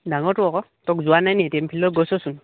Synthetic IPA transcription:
daŋɔɹtʊɔkɔtɔkzʊwanajnɛtɛmpʰilɔɡɔsɔsun

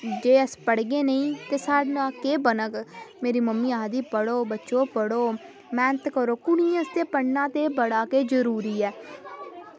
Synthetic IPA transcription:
d͡ʒeːəspəɽɡeːnəĩːt̪eːsaːɖnaːkeːbənəkmeːɾiːməmːiːaːɦd̪iːpəɽoːbətːʃoːpəɽoː | mɛ̃ːnət̪kəɾoːkʊnĩːəst̪eːpəɳnãːt̪eːbəɽaːkeːd͡ʒəɾuːɾiːɛː

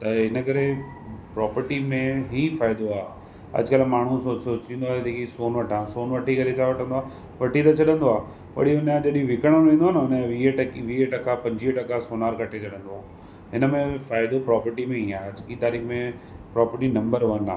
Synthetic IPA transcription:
t̪ɐɦɪnəkɐɾe | pɾɔːpəɾʈimẽɦiːfaːɪd̪oaːɦ | ɐ̰ʄkɐlmaːɳ̤ũsoːsoːt͡ɕĩnd̪oaːed̪eːkisoːnʋɐʈʰãːsoːnʋɐʈʰikɐɾet͡ɕʰaʋɐʈʰə̃nd̪oaː | ʋɐʈit̪ɐt͡ɕʰɐɗə̃nd̪oaː | ʋɐ̰ɽiʊnd͡ʑɐɗĩʋɪkəɽ̃ə̃ĩːnd̪oaːnɐʊnə̃ʋiːʈɐkiʋiːʈɐkapɐ̃ɲd͡ʑiːʈɐkasoːnaːɾkɐʈʰet͡ɕʰɐɗə̃nd̪oaː | ɦɪnəmẽfaːɪd̪opɾɔːpəɾʈimẽiaːɐd͡ʑkit̪aːɾiːxmẽ | pɾɔːpəɾʈinɐ̃mbəɾʋɐna̰ː

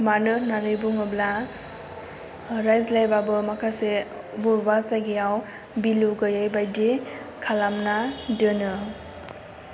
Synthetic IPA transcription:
manɯnaɾɯbuŋɯbla | ɾajzlajbabɯmakʰase | buɾbasaɡijaw | biluɡɯjajbajdi | kʰalamnadɯnɯ

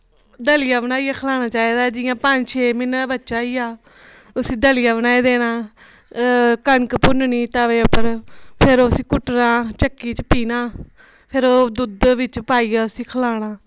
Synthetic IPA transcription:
d̪əlɪjaːbənaːiːjaːkʰlaːɽ̃aːt͡ʃaːiːd̪aːd͡ʒɪjãːpəd͡ʒt͡ʃʰeːmɪnabətːʃaːiːaː | ʊsĩːd̪əlijaːbənaːiːd̪eːnaː | kəɳkpʊnniːt̪aːʋeːʊpəɾpʰɪɾoːsĩːkʊʈnãːt͡ʃəkːiːt͡ʃəpiːnaː | pʰɪɾoːd̪ʊd̪ʋɪt͡ʃpaːiːaːʊsĩːkʰəlaːɽ̃aː

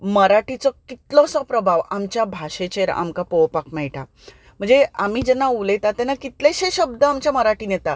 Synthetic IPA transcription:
məɾaʈit͡sɔkit̪lɔsɔpɾəbʱaʋamt͡ɕjabʱaɕet͡ɕeɾa̰mkapowpakmɛjʈa | m̤əɳd͡zeamiːd͡ʑɛnːaulet̪at̪ɛnakit̪leɕeɕəb̚d̪əamt͡ɕaməɾaʈiːnjet̪a

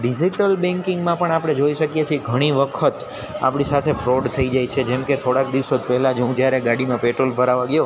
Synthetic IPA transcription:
ɖid͡ʒiʈəlbɛ̃ŋkɪŋɡmãpəɳapɽ̃ed͡ʒoiʃəkjet͡ʃʰieɡʱəɽ̃iʋəkʰət̪ | a̰pɽisat̪ʰefɾoɖt̪ʰəid͡ʒajt͡ʃʰed͡ʒɛmket̪ʰoɽak̚d̪iʋsod̪pɛɦɛlãd͡ʒũd͡ʒjaɾeɡaɽimãpeʈɾolbʱəɾaʋãɡəjo

